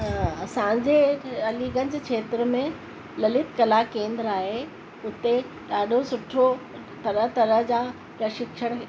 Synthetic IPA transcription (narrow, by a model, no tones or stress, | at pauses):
sãːɲd͡ʑeɐliːɡənɪ̆d͡ʑekʰeːt̪ɾə̆mẽ | lɐlɪt̪kɐlakẽːnd̪ɾaːɦe | ʊt̪e | ɗaːɗosʊʈʰo | t̪ɐɾəɦt̪ɐɾəɦd͡ʑaː | ɾɐʃɪkʃəɽ̃